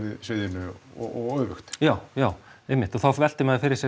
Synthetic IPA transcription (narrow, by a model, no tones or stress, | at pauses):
vɪðsvɪðɪnʏɔ̰ɔɣœðvʏxt̪jaːwjaːwejmːɪht̪ɔθawvɛl̥t̪ɪmɛːðafɪɾɪɾsjɛ